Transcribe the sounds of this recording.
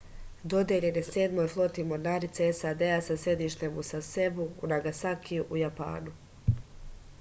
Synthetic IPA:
d̪o̞d̪je̞ʎe̞neseːd̪mo̞jflˠo̞t̪imo̞ɾnaːɾit̪seesad̪easase̞d̪iʃt̪emusase̞buːnaɡasakiuʔujapa̰ːnu

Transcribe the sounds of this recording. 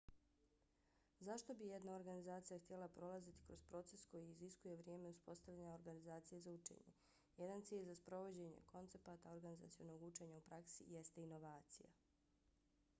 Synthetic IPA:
zaʃt̪o̞bijed̪nao̞ɾɡanizaːt̪sijaxt̪ijelapɾo̞lazit̪i̥kɾo̞zpɾo̞t̪se̞sko̞jiːziskuje̞ʋɾje̞ːme̞uspo̞st̪aʋlʎaɲaoɾɡanizaːt̪sije̞zaut͡ʃḛɲe̞̰ | jed̪ant̪siːʎʲzaspɾo̞ʋo̞d͡ʑe̞ɲḛko̞nt̪e̞pat̪ao̞ɾɡaniza̰t̪sio̞noɡut͡ʃe̞ɲaupɾaksḭjest̪e̞ino̞ʋaːt̪sija̰

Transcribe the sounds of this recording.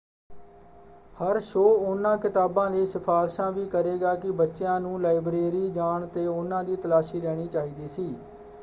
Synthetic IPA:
həɾʃoːʊnãːkɪt̪aːbãːləiːsɪpʰaːlʃãːʋiːkəɾeːɡaːkɪbətːʃjãːnũːlaːɪbɾeːɾiːd͡ʒaːɳt̪eːʊnːãːd̪iːt̪əlaːʃiːɾɛːɽ̃iːt͡ʃaːɦiːd̪iːsiː

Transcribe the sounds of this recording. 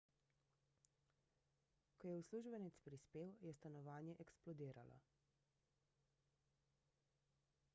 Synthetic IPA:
kɔjɛusluʒbɛnit̪spɾispeːwjɛst̪anɔʋaːnjɛʔɛksplɔd̪iːɾa̰lɔ̰

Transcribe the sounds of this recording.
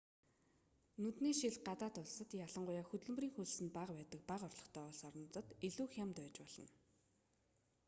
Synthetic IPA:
nɵt̪niːʃiɮɢat̪aːt̪ʊɮsə̆t̪jaɮə̆ɴɢʊjaːxɵt̪ɵ̆ɮm̆riːŋxuɮsɘ̆npaqpæːt̪ə̆k̚paqɔrɮɞ̆χt̪ʰœːʊɮsɔɾɞ̆nt͡sə̆t̪eɮuːxjamt̪æːt͡ɕpɔɮɞ̰̆n

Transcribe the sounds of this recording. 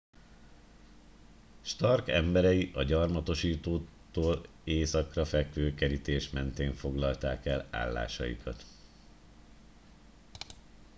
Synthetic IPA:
ʃt̪ɒrkɛmbɛɾɛjiʔɒɟɒrmɒt̪o̞ʃiːt̪oː | t̪oːl | eːsɒkrɒfɛkʋøːkɛɾit̪eːʃmɛnt̪eːɱfo̞ɡlɒlt̪aːkɛla̰ːlːa̰ːʃɒ̰jḭkʰɒt̪

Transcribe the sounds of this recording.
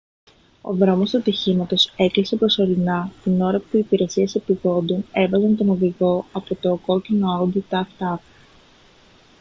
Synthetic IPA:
o̞̰ðɾo̞mo̞st̪ut̪içimɐt̪o̞se̞klise̞pɾo̞so̞ɾinɐt̪ino̞ɾɐpuiːpiɾe̞sie̞sepiðo̞nd̪une̞vɐzɐnt̪o̞no̞ðiɣo̞ɐpo̞t̪o̞ko̞cino̞od̪it̪ɐft̪ɐf

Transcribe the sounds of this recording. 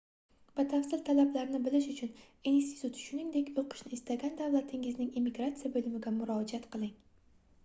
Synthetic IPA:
b̥at̪ʰafsɪlt̪ʰalablaɾnɪbɪlɪʃʊt͡ʃʰʊn | inst̪ʰi̥t̪ʰut̪ʃʊnɪŋd̪e̞kʲʰoqɨ̥ʃnɪɪst̪aɡʲand̪avlˠat̪ʰɪŋɪznɪŋimɪɡɾat̪sɨijabɵlɪmɪɡʲamʊɾɒd͡ʒiat̪qʰɨlˠɪŋ

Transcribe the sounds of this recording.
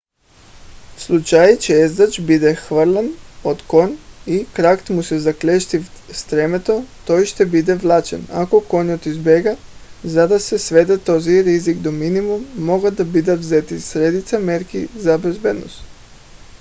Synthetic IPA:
slˠut͡ʃajt͡ɕeezd̪at͡ʃbid̪exʋrlˠanot̪ko̞nikɾakt̪musezaklʲeʃt̪ist̪ɾemet̪o̞t̪ojiʃt̪ebid̪eʋlˠat͡ʃḛna̰ko̞ko̞ɲot̪izbeɡazad̪asesʋed̪et̪oziɾizikd̪ominimumːo̞ɡad̪abid̪aʋzet̪issɾed̪it̪sameɾkḭzabezbeːd̪no̰st̪

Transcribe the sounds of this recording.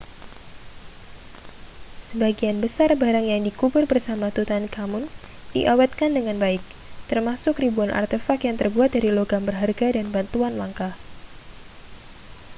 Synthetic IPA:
səbaɡianbəsarbaɾaŋjaŋdikubʊrbərsamat̪ut̪ankamʊn | dḭʔawat̪̚kandəŋanbaɪk̚ | t̪ərmasʊkribuanʔa̰rt̪efakjaŋt̪ərbuat̪̚daɾiloɡambərɦarɡadanbant̪uanlaŋkah

